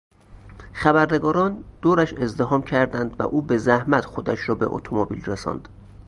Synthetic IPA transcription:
xæbæɾne̞ɡɒːɾɒːnd̪̥oːɾæʃe̞zd̪eɦɒːmcʰæɾd̪ænd̪væ̰ʔuːbezæhmæt̪xod̪æʃɾɒːbe̞̰ʔo̰t̪ʰomobḭlresɒ̰ːnd̪̥

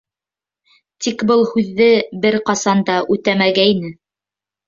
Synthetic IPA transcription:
t̪ikbɤlˠhʉðːɘbɘɾqɑsɑnd̪ɑʔʉt̪æmæɡæinɘ

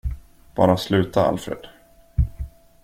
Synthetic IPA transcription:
b̥ɑ̰ːɾaslʉ̟ːt̪ʰaa̰lfɾḛːd̪̥

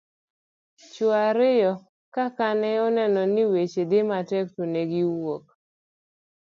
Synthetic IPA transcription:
t͡ʃʊaɾɪjɔ | kakanɛɔnɛnɔniwet͡ʃedɪmatɛk̚toneɡɪwok̚

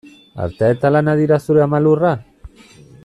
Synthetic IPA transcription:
a̰ɾt̪et̪alanaðiɾasuɾamalura

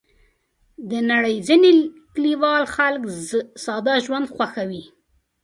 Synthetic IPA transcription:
d̪ənaɽəjzinekliwɑlxalksɑd̪ɑʒwand̪xwaxawi

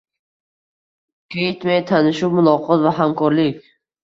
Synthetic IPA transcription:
kʲʰejɪt̪majt̪ʰanɪʃʊmʊlˠɒqʰɒt̪vaɦamkʰɒɾlɪkʲ

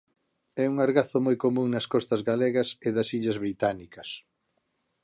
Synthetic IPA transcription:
ɛuŋaɾɣaθʊmɔjkomũŋnɐskɔst̪ɐzɣaleɣɐseðɐsiʎɐzβɾit̪anikɐs

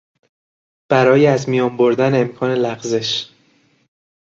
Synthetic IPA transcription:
b̥æɾɒːjeæzmijɒːmbo̞ɾd̪æne̞mkʰɒːne̞læɣze̞ʃ

